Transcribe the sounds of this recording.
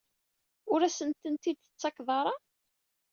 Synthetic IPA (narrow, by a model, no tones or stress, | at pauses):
ʊɾæsənt̪ənt̪id̪ət͡sːɑkðˤɑɾˤɑ